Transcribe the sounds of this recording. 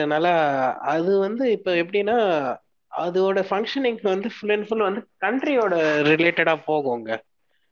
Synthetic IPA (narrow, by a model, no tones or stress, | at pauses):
ðɐnaːlɐɐðɯʋɐnd̪ɯɪpːoːɛp̬ːɐɽɪnːaː | ɐðɯoːɽɐfɐŋkʂɐnɪŋɡʋɐnd̪ɯfʊlɛnfʊlʋɐnd̪ɯkɐɳʈɾioːɽɐɾɪleːʈːɐɽaːpoːɣoːŋɡɐ